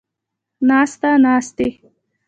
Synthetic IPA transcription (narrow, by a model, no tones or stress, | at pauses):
nɑst̪anɑːst̪e